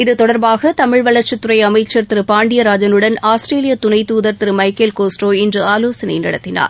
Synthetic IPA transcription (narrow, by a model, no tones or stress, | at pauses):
ɪðɯt̪ɔɽɐɾbaːɣɐt̪ɐmɪɻʋɐɭɐɾt͡ʃɯt̪ːʊɾɐɪɐmɐɪt͡ʃːɐɾt̪ɪɾɯpaːɳɖɪjɐɾaːd͡ʒɐnɯɽɐnaːsʈɾeːlɪjɐt̪ʊnɐɪt̪uːðɐɾt̪ɪɾmɐɪkeːlkoːsʈoːɪndrɯaːloːsɐnɐ̰jnɐ̰ɽɐt̪ːɪna̰ːɾ